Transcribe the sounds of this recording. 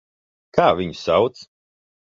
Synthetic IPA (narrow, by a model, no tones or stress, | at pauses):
kʰaːvʲiɲsawt̪s